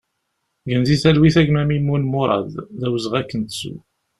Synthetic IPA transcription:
ɡənziθælwiθæʝmæmimunmoɾˤɑ̰ððæwəzʁækːənt̪sṵ

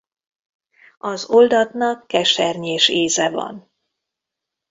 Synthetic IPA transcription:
ɒzo̞ld̪ɒt̪nɒkːɛʃɛrɲeːʃeːzɛvɒ̰n

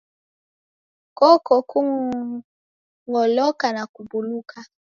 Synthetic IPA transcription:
kɔkɔkuŋ | ŋɔlɔkanakubulukʰa

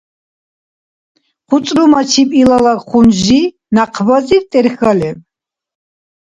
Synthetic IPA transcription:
χut͡ssʼɾumat͡ʃʰipʼilalakχunʒʒi | naqʰvazit̪ʼɛɾxalɛ

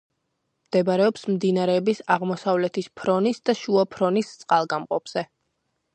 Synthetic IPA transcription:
md̪̥ɛbaɾɛɔpsmd̪inaɾɛːbisaʁmɔsavlɛt̪ʰispʰɾɔnisd̪aʃuapʰɾɔnist̪sʼqʼalˠɡamqʼɔpʰz̥ɛ

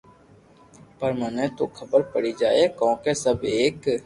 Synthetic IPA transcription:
pəɾmənet̪okʰɐbəɾpəɽid͡ʒaːekɔ̃ːkesəbeːk

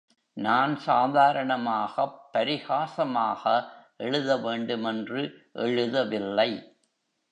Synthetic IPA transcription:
naːnsaːðaːɾɐɳɐmaːɣɐpːɐɾɪɣaːsɐmaːɣɐʔɛɻɯðɐʋeːɳɖɯmɛndrɯʔɛɻɯðɐʋɪlːɐɪ

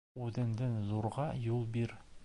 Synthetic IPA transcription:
ʉðɘ̆nd̪ɘnzuɾʁɑjulˠbiɾ

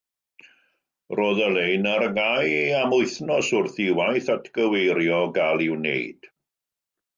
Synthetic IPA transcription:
roːðəlejnarɡajamʊɨθnɔsʊrθiwajθatʰɡ̥əwejɾjɔɡalˠɪwnḛjd̥

